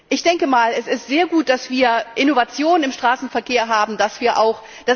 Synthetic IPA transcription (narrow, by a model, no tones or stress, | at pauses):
ʔɪçd̥ɛŋkəmaːlɛsɪstz̥eːɐɡuːt̚d̥asv̥iːɐʔɪnovat͡sjoːnənɪmʃtʁ̥aːsn̩fɛɐkeːɐɦaːbm̩d̥asv̥iːɐʔa̰ʊx | d̥as